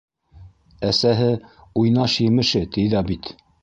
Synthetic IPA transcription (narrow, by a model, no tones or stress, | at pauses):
æsæɦɘujnɑʃjɘ̆mɘ̆ʃɘt̪iðɑbit̪